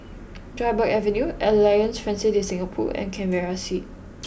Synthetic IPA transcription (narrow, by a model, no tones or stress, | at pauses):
dɹaɪbəkɛvə̃njuɛllajə̃nsfɹɛ̃nsɪtĩsɪ̃ŋapʰɔ̰ʔɛ̰̃nkʰɛ̃nvɛɹasit̚